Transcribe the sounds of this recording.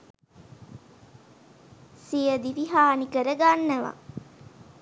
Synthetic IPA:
sijəd̪iʋiɦaːnikəɾəɡanːəʋa̰

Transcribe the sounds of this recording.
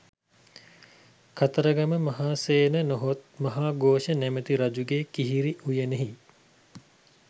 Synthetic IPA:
kʰat̪əɾəɡɐməmɐɦaːseːnənoɦot̪̚mɐɦaːɡoːʃənɛmət̪iɾɐd͡ʒuɡeːkiɦiɾiʔujəneɦi

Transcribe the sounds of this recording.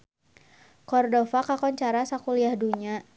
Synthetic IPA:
kɔrdofakakɔɲt͡ʃaɾasakuliahduɲa

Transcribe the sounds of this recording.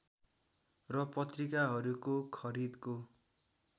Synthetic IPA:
rʌpʌt̪rikaɦʌɾukokʰʌɾid̪ko

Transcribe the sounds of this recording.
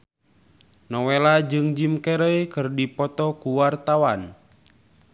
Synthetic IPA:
nɔwelad͡ʒɨŋd͡ʒimkeɾəjkɨrdipɔt̪ɔkuwart̪awan

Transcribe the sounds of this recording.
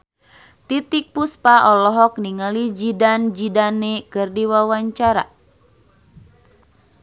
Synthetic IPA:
t̪it̪ik̚puspaʔɔlɔɦɔk̚niŋalid͡ʒidand͡ʒidanːekɨrdiwawaɲt͡ʃaɾa

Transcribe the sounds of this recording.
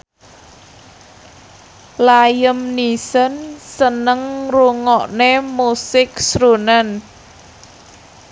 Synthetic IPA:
lajəmnisənsənəŋruŋɔʔnemusɪk̚sɾunən

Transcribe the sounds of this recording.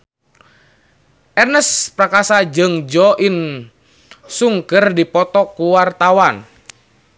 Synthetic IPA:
ʔɛrnəspɾakasad͡ʒɨŋd͡ʒɔʔin | suŋkərdipɔt̪ɔkuwart̪awan

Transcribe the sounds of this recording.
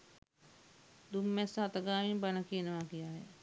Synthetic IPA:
d̪umːɛsɐɐt̪əɡaːʋimbanəkiənəʋakijaːɦɛ

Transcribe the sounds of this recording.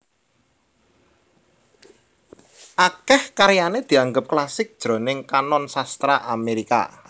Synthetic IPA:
ʔakɛhkaɾjaned̪̥i̤aŋɡəp̚klasɪk̚d̥ʒ̥ɾo̤nɪŋkanɔnsast̪ɾaʔameɾika̰

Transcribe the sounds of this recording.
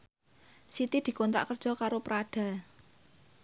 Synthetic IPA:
sit̪id̪̥i̤kɔnt̪ɾa̰ʔkərd̥ʒ̥ɔ̤kaɾopɾaɖ̥a̤

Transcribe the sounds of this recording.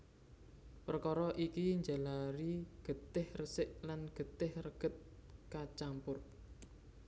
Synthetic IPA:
pərkɔɾɔʔikiɲd͡ʒalaɾiɡ̥ə̤t̪ɪhrəsɪʔlanɡ̥ə̤t̪ɪhrəɡ̥ə̤t̪̚kat͡ʃampʊr

